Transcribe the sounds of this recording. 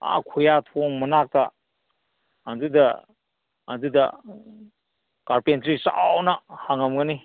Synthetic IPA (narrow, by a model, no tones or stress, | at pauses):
a̰kʰujatʰoŋmɐnak̚ta | dudɐ̰ː | dudɐ̰ | kaɾpentɾisa̰wnahaŋamŋani